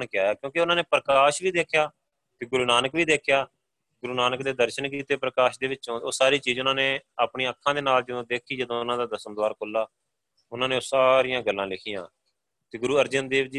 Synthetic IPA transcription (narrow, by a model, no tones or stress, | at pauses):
nkɪjaːjaːkjõːkeʊnãːneːpɾəkaːʃʋiːd̪eːkʰjaː | t̪eːɡʊɾuːnaːnəkʋiːd̪eːkʰjaː | ɡʊɾuːnaːnəkd̪eːd̪əɾʃənk̬iːt̪eːpɾəkaːʃd̪eːʋɪt͡ʃt͡ʃõːoːsaːɾiːt͡ʃiːzʊnãːneːaːpɳĩːəkʰːãːd̪eːnaːld͡ʒəd̪õːd̪eːkʰiːd͡ʒəd̪õːʊnãːd̪aːd̪əsəmd̪ʋaːɾkʊlːaː | ʊnãːneːoːsaːɾijãːɡəlːãːlɪkʰɪjã̰ː | t̪eːɡʊɾuːəɾd͡ʒənd̪eːʋd͡ʒiː